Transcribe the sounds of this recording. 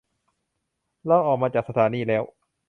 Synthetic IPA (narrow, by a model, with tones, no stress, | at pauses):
la˧˥˩wʔɔː˨˩k̚maː˧t͡ɕaː˨˩k̚sa˧t̪ʰaː˩˦niː˧˩lɛː˦˥w